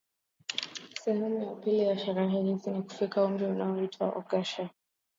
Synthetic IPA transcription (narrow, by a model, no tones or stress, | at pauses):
sɛhɛmujapilijaʃaɾaɦɛhiziniku̥fikaum̩dɛunaɔitʰwaʔɔɡaʃa